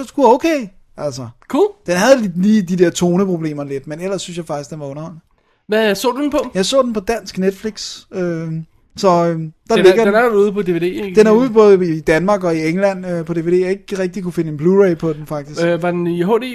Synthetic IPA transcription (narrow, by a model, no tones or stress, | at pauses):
ɡ̥uoʊkʰeː | ʔæl̰sɐkʰud̥enɦæð̞ˠlliːd̥id̥eɐt͡sʰo̝ːnəpʰʁo̝b̥le̝̰ːmɐle̝d̥menel̰ɐsːynsjɑ̈fɑ̈ɡ̥isɡd̥enʋɑ̈ɔ̽nɐhɒ̽l̰nə | ʋæsɔ̰ːdud̥enpʰɒ̽jɑ̈ɪsɔ̰̽ːd̥enpʰɒ̽d̥æn̰sɡ̥ned̥fliɡ̥sø | sɒ̽ød̥ɑ̈leɡ̥ɐdnuːð̞̩ˠpʰɒ̽d̥e̝ʋe̝ːde̝̰ːd̥enæɐuːð̞ˠb̥ɔ̽ːð̞̩ˠəiːd̥ænmɑ̈ːɡ̥ɒ̽ieŋlæn̰øpʰɒ̽d̥e̝ʋe̝ːde̝̰ːjɑ̈e̝ɡ̥ʁɛɡ̥̚d̥ikʰufe̝nəenb̥luʁeɪpʰɒ̽d̥emfɑ̈ɡ̥d̥isʋɑ̈d̥enɦo̰ːdḛ